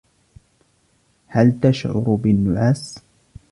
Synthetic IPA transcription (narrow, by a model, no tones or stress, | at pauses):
halt̪aʃʕʊ̰ɾbɪnːʊʕaːs